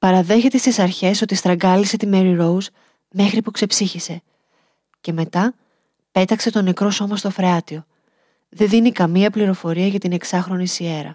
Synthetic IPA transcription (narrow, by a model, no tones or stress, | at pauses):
pɐɾɐðe̞çe̞t̪e̞st̪isɐɾçe̞so̞t̪ist̪ɾɐɡɐlise̞t̪ime̞ɾiɾo̞uz | me̞xɾipukse̞psiçise̞ | ce̞me̞t̪ɐ | pe̞t̪ɐkse̞t̪o̞ne̞kɾo̞so̞mɐst̪ofɾeɐt̪io̞ | ðe̞nðinikɐmiɐpliɾo̞fo̞ɾiɐʝɐt̪ine̞ksɐxɾo̞nisie̞ɾɐ̰